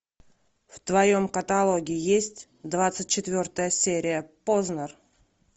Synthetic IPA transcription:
ft̪vɐjomkət̪alˠoɡʲɪɪjesʲtʲ | d̪vat̪sɨt̚ʲt͡ɕːɪt̪vʲo̞rt̪əjəsʲeɾʲɪjəpoznər

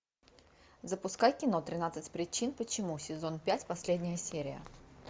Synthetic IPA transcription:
zəpʊskajkʲɪno̞t̪ɾʲɪnat̪sɨtʲpɾʲɪt͡ɕinpət͡ɕɪmusʲɪzo̞npʲætʲpɐsʲlʲedʲnʲɪjəsʲeɾʲɪjə̰

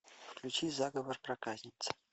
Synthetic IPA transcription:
fklʲut͡ʃizaɡəvorprakazʲnʲit̪sɐ̥

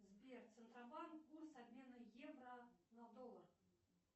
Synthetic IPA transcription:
zbʲert̪sɨnt̪ɾɐbankːursabʲmʲenɨjɛvrɐnɐd̪ɔlˠɐr

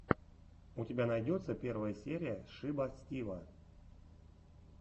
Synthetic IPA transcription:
ʊtʲɪbʲanɐjdʲot̪səpʲe̞rvəjəsʲeɾʲɪjəʂɨbɐsʲtʲivə

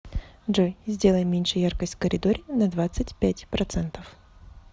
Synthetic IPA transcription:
ʐojzʲdʲe̞lˠəjmʲenʲʂɨjarkəsʲtʲfkəɾʲɪd̪oɾʲɪnɐd̪vat̪sɨtʲpʲætʲpɾɐt̪sɛnt̪əf

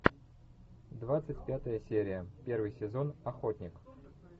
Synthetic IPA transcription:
d̪vat̪sɨtʲpʲat̪əjəsʲeɾʲɪjəpʲe̞rvɨjsʲɪzo̞nɐxo̞t̪ʲnʲɪk

